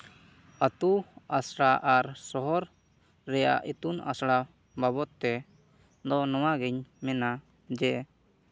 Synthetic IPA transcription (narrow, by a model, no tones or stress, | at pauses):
at̪uasɽaʔaɾsɔɦɔɾ | ɾɛja̰ʔit̪una̰sɽa | baβɔt̪ːɛ | d̪ɔnɔw̃aɡɛɲmɛna | d͡ʒɛ